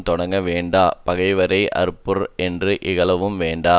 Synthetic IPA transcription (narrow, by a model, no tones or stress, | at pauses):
t̪ɔɽɐŋɡɐʋeːɳɖaːpɐɣɐɪʋɐɾɐɪʔɐ̰ɾɯpːɯɾɛndrɯʔɪɣɐɭɐʋɯmʋeːɳɖaː